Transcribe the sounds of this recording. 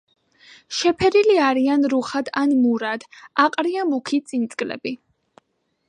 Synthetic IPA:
ʃɛpʰɛɾiliaɾianɾuχad̪anmuɾad̪̥aqʼɾiamukʰit̪sʼint̪sʼkʼlɛ̰bi

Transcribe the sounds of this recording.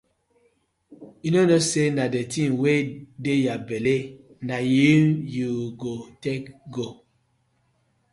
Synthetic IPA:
junonosenadetʰĩnwedejabɛle | najimjuɡotekɡo

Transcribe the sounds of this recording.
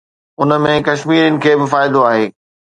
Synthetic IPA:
ʊnə̆mẽkɐʃmiːɾənɪ̆kʰeːbɪfaːɪd̪oaːɦeː

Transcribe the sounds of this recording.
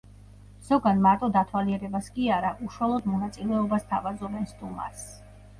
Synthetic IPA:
z̥ɔɡanmaɾt̪ʼɔd̪at̪ʰwaliɛɾɛbaskʼiaɾaʔuʃuwalˠɔd̪mɔnat̪sʼilɛɔbast̪ʰavazɔbɛnst̪ʼuma̰ɾs

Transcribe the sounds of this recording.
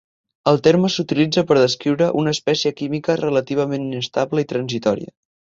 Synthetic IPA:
əlˠt̪eɾməsut̪ilid͡zəpəɾðəskɾiwɾəʔunəːspɛsiəkimikərələt̪iβ̞əmeninəst̪abləit̪ɾənzit̪ɔɾḭə̰

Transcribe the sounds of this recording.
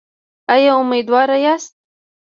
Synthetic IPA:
ajɑʊmed̪wɑɾajɑst̪̚

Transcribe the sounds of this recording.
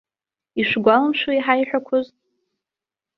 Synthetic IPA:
iʂʷɡʷalamʃuiħajħʷᶣakʷʰʊztʼ

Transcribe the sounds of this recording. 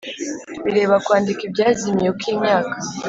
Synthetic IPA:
βiɾe̞ːβakwaːndikibɟaːzimijokiːɲɲaːkḁ

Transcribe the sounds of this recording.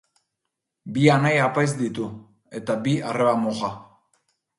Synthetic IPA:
bianajapajzd̪it̪u | e̞t̪abiareβamoʝa

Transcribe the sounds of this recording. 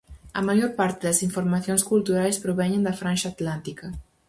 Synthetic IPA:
ɐ̰maʒoɾpaɾt̪eðɐsiɱfoɾmaθjonskult̪uɾajspɾoβɛɲend̪afɾanʃaːt̪lant̪ikɐ

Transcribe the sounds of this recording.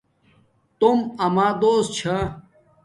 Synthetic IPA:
t̪umɐmaːd̪oːst̪̚t͡ɕʰa

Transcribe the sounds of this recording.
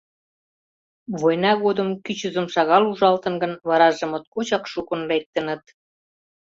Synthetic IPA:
βojnɑɣod̪ə̆mkyt͡ɕəzə̆mʃɑɣɑluʒɑlt̪ɤ̆nɡə̆nβɑɾɑʒə̆mə̆t̪̚kot͡ɕɑkʃukŏnlek̚t̪ə̆nə̆t̪

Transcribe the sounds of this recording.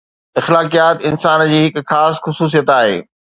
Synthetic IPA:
ɪxlaːkijaːt̪ɪnsaːnd͡ʑiːɦɪkxaːsxʊsuːs̬ijət̪aːɦḛː

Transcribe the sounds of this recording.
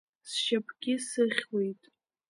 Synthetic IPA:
sʃapʰʼɡʲɪsɨχʲwe̞jtʼ

